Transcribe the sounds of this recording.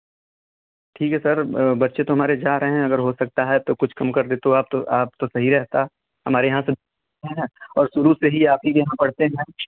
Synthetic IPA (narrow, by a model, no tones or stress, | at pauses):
ʈʰiːkɦɛsɐɾbɐtːʃet̪oɦɐmaːɾed͡ʒaːɾɐɦẽɦɛ̃ɐɡəɾɦosɐk̚t̪aɦɛt̪okʊt͡ʃʰkɐmkɐɾd̪eːt̪oaːp̚t̪oʔaːp̚t̪osɐɦiɾɛɦt̪a | ɦɐmaːɾejɐɦãsed̪ | ɦɦɛ̃ɔːɾsʊɾuseɦiaːp̚ikjɐɦãpɐɽ̤t̪eɦɛ̃